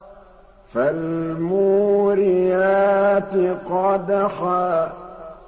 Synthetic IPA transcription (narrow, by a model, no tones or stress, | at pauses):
falmuːɾɪjaːt̪ɪqɑd̪axaː